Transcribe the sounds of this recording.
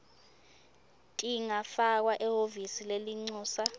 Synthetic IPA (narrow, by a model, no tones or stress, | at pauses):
tʼiŋafak̬waʔɛhovisileliŋ͡ǀuːsa